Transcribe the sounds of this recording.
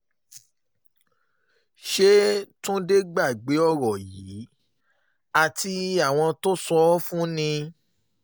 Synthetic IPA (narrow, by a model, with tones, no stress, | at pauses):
ʃe˦tũ˦de˦ɡ͡ba˦˨ɡ͡be˨˦ɔ˦˨ɾɔ˨ji˨˦ | a˨ti˧a˨w̃ɔ̃˧to˦sɔ˦fũ˦nĩ˧